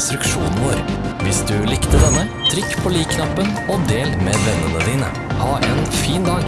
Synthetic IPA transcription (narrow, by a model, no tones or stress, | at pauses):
st̪ɾʉkʃṵːnn̩ʋoːɾʋɪsd̪ʉːlɪkt̪əd̪ɛnːət̪ʰɾɪkːpʰoːliːkʰnɑpənoːd̪eːlmeːʋɛnːənəd̪iːnə̰ | hɑːʔeːnfiːnd̪ɑːɡ